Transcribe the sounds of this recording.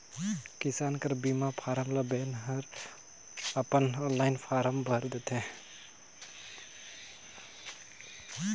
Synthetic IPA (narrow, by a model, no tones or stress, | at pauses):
kisankəɾbimapʰaɾəmləbenɦəɾ | əpənɔnlaɪnpʰaɾəmbʱəɾd̪ɛt̪ʰɛ̃